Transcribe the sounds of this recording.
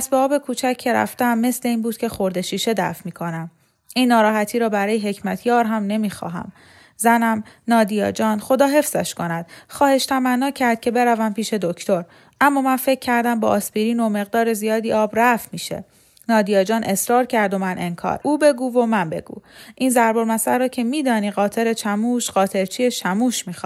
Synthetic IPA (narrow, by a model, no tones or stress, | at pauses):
pæsbeɒːbe̞kʰuːt͡ʃʰæcʰːe̞ɾæ̰ft̪eæmːe̞sle̞iːnbuːd̪̥cʰe̞xo̞ɾd̪e̞ʃiːʃe̞d̪æ̰fmiːkʰo̞næm | ʔinːɒːɾɒːɦæt̪ʰiːɾɒːbæɾɒːjeɦe̞cʰmæt̪ʰjɒːɾɦæmne̞miːxɒ̰ːɦæ̰m | zænæmnɒːd̪ijɒ̰ːd͡ʒɒːnχo̞d̪ɒːɦe̞fz̥æʃko̞næd̪̥xɒːhe̞ʃt̪ʰæmænːɒːcʰːæɾd̪̥̚cʰe̞be̞ɾævæmpiːʃe̞d̪o̞cʰt̪ʰo̞ɾ | ʔæmːɒːmænfe̞cʰːæɾd̪æmbɒ̰ːʔːspiːɾiːnome̞ɣ̚d̪ɒːɾe̞zijɒːd̪iːɒːbɾæfmiːʃḛ | nɒːd̪ijɒːd͡ʒɒːnʔe̞sɾɒːɾcʰæɾd̪o̞mænʔe̞nkʰɒ̰ːɾʔuːbe̞ɡuːvo̞mænbe̞̰ɡṵːʔiːnzæɾbo̞ɾmæsæɾːɒːcʰe̞miːd̪ɒːniːɣɒːt̪ʰe̞ɾe̞t͡ʃʰæmuːʃɢɒːt̪ʰe̞ɾt͡ʃʰiːjeʃæmuːʃmiːx